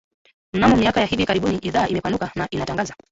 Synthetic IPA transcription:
m̩namɔmiakajahivikaɾiɓuniʔiðaːʔimɛpanukanaʔinataŋɡaza

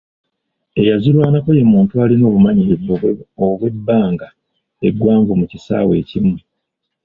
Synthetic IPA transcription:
e̞jazilwaːnako̞jemuːntuaːlino̞ːβumaɲievooβwe̞bːaːŋɡa | e̞ɡwaːɱvumucisa̰ːwe̞̰ːcimu

